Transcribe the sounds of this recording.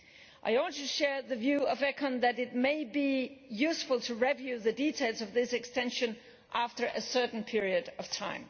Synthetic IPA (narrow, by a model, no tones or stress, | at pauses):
ʔa̰ɪɔ̃ntɨʃɛɹðɨvjʉʌvɛkʰə̃nðɨɾɨt̚meɪbijʉsfəl̩ˠtʰɨɹɛvjʉðɨditʰeɪlˠzʌvðɪsɨkstɛ̃nʃɨ̃n | ʔæftə˞ʔɨsɜ˞ʔn̩pʰɪɹiɨɾʌv̥tʰãɪ̃m